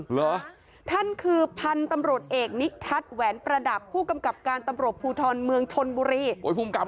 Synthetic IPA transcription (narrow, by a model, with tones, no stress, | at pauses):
lɔ˨˧˩ | t̪ʰa˥˩nkʰɯː˧pʰa˧nt̪a˧mɾu˨˩ə˩t̪̚ʔeː˨˩k̚ni˦˥k̚t̪ʰa˦˥t̪̚wɛː˩˦npɾa˧da˨˩pʰːuː˥˩ka˧mka˨˩p̚kaː˧nt̪a˧mɾu˨˩ət̪̚pʰuː˧t̪ʰɔː˧nmɯ˧əŋt͡ɕʰo˧nbuː˧ɾiː˧˩o˨˦jpʰuː˧˩mka˨˩